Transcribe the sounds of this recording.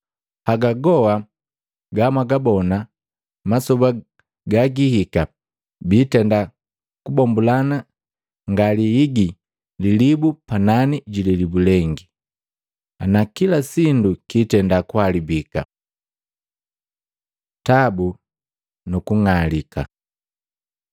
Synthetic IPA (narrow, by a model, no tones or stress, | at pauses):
haɡaɡɔa | ɡamwaɡabɔna | masɔba | ɡaɡihika | biːtɛnda | kubɔmbulana | ŋɡaliiɡi | lilibupananiɟililibulɛŋɡi | anakilasindukiːtɛndakwalibika̰ | tabu | nukuŋalika̰